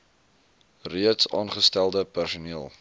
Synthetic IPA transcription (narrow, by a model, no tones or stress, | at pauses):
riətsɑ̰ːnχəstælˠdəpærsuniəlˠ